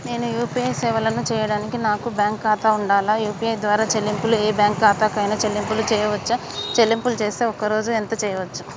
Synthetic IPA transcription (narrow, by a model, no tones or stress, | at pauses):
ne̞ːnujuːpiɐjsɛːʋɐlɐnut͡ʃɛːjɐɽaːnikinaːkubjaːŋkːaːt̪aːuɳɖaːlaːjuːpiɐjd̪ʋaːɾaːt͡ʃelːimpulueːbjaːŋkːaːt̪aːkɐjnɐt͡ʃelːimpulut͡ʃɛːjɐʋɐt͡ʃːa | t͡ʃelːimpulut͡ʃe̞ːst̪e̞ːɔkɐɾo̞ːd͡ʒuent̪ɐt͡ʃɛːjɐʋɐt͡ʃːu